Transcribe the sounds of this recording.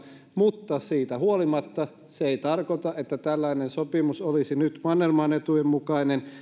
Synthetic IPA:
mut̪ːɑsiːt̪æhuolimɑt̪ːɑ | seeˑit̪ɑrkot̪ɑʔet̪ːæt̪ælːæinensopimusolisinyt̪mɑnːelmɑːnet̪ujemmukɑinen

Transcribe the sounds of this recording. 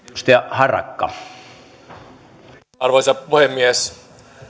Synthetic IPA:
st̪ɑhɑrɑ̰kːɑ̰ | ɑrʋoisɑpuhemːies

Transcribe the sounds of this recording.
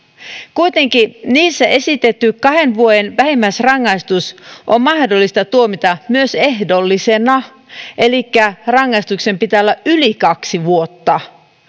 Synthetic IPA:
kujt̪e̞ŋkiniːsːæʔe̞sit̪e̞t̪ːykɑhenʋuojenʋæhimːæsrɑŋːɑist̪usʔommɑhdolːist̪ɑt̪uomit̪ɑmyøse̞ɦdo̞lːisenɑ | e̞likːærɑŋːɑist̪ukse̞mpit̪æolːɑʔʔylikɑksiʋuot̪ːɑ

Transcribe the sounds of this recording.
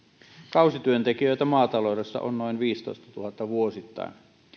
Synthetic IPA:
kɑˑusit̪yønt̪ekiøit̪æmɑːt̪ɑloˑudesːɑ̰ʔonnoinʋiːst̪o̰ˑist̪ɑ̥t̪uhɑt̪ːɑʋuosit̪ːɑ̰en

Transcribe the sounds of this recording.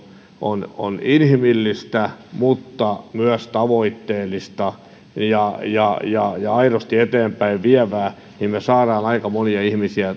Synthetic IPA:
ono̰ninhimilːist̪æmut̪ːɑmyæst̪ɑʋoit̪ːeːlːˑist̪ɑ | jɑjɑjɑjɑɑirost̪iet̪eːmpæiʋʋiɛʋæː | nimmesɑːɾɑːnɑikɑmoniɑihmisiæ

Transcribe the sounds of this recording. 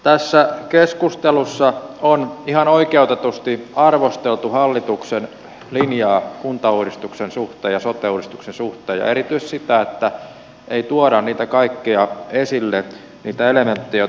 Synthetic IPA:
t̪æsːækeskust̪elusːɑonihɑnoikeut̪et̪ust̪iɑrʋost̪elt̪uhɑlːit̪uksen | linjɑːkunt̪ɑuːɾist̪uksensuht̪eːjɑsot̪euːdist̪u̥ksensuht̪eːjɑ̰eɾit̪yiset̪sit̪æet̪ːæ | eit̪uoɾɑnniːt̪ækɑikːiɑesilːe | niːt̪æelement̪ːejɑ

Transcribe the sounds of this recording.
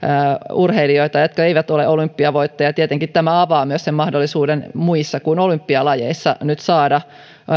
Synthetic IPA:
urheilioit̪ɑjot̪kɑeiʋæt̪oleʔolympːiɑʋoit̪ːɑjɑt̪iet̪eŋkit̪t̪æmæɑʋɑːmyøssemmɑhdolːisuːdenmuisːɑkunolympːiɑlɑjḛisːɑnyt̪sɑːdɑ

